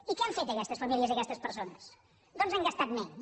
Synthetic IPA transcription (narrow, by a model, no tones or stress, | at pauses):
ikɛaɱfet̪əkɛst̪əsfamilˠiəziəkɛst̪əspəɾsonəs | d̪onzaŋɡəst̪at̪̚meɲ